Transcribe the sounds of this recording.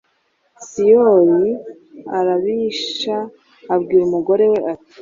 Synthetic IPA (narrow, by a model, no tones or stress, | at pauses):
sijoɾi | aɾaβiːʃaː | bɡiːɾumuɡo̞ɾe̞we̞ʔati̥